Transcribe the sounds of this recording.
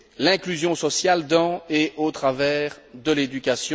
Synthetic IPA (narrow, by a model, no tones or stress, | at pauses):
lɛ̃klyzjɔ̃sɔsjald̪ɑ̃eʔot̪χavɛːʁd̪əled̪ykʲasj̃